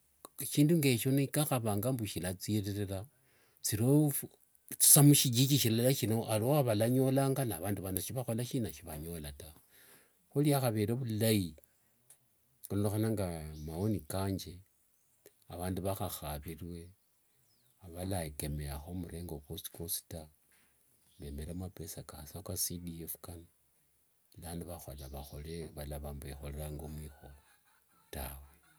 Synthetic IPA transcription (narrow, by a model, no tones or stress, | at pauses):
ʃiːnduŋɡe̞ʃonekaxaβaːŋɡambuʃilat͡sireɾeɾa | t͡siɾof | t͡si̥samuʃiɟikiʃilelaʃino̞ʔaloaβalaɲo̞laːŋɡanaβaːnduβanaʃiβaxolaʃinaʃiβaɲo̞lata | xuliaxaβeɾeβulaji | kunoloxanaŋɡamaonikaːɲd͡ʒe | aβaːndiβaxaxaβirwe̞ | aβalaeke̞meaxo̞muɾe̞ːŋɡokosi̥kosi̥ta | βeme̞ɾamape̞sakasakasidiefu̥kano | laːndiβaxalaβaxoleβalaβambeexoleɾaŋɡomwiːxo̞ | tawe